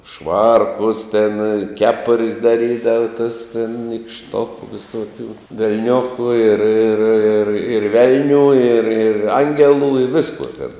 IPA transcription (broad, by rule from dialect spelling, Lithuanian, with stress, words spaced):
ˈʃʋɐrkʊs tʲɛn ˈkʲæːpʊrʲsʲ dɐˈrʲiːdɐʋɐ tɐs tʲɪn nʲiːkʃˈtoːkʊ ʋʲɪˈsoːˌkʲuː ʋʲɛlʲˈnʲoːkuː ɪr ɪr ɪr ɪr ˈʋʲɛlʲnʲuː ɪr ɪr ˈɐŋʲɡʲɛlˠuː ɪ ˈʋʲɪskuɔ tʲɛn